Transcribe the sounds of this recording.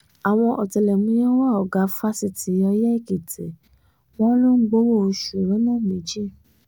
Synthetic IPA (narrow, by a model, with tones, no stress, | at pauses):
a˨w̃ɔ̃˧ʔɔ˨tɛ˨lɛ˨mũ˨˧˦j̃ɛ̃˦wa˦˨ɔ˨ɡa˨˦fa˦si˦˨ti˨˦ɔ˧jɛ˦i˦˨ki˨tʰe˨ | w̃ɔ̃˦lo˦ŋ͡m̩˦ɡ͡bo˦wo˦o˧ʃu˨ɾɛ˨˦nãː˦˨mĩ˨˦d͡ʒi˦˨